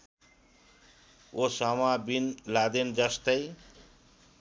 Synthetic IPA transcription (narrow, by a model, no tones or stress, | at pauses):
osamabinlad̪end͡zʌst̪ʌj